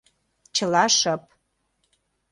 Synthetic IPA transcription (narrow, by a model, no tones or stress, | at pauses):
t͡ɕə̆lɑʃə̆p̚